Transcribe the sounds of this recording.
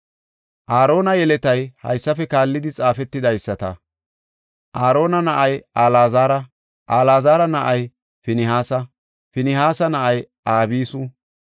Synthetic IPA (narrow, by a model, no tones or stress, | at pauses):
ʔaːɾo̞ːnɐjɛlɛt̪ɐjhɐ̰jsːɐfɛkaːlːɪd̪ɪt͡sʼaːfɛt̪ːɪd̪ɐjsːɐt̪ɐ | ʔaːɾo̞ːnɐnɐʔɐjaːlaːzaːɾɐ | ʔaːlaːzaːɾɐnɐʔɐj | fɪnɪɦaːsɐ | fɪnɪɦaːsɐnɐʔɐj | ʔaːbiːsʊ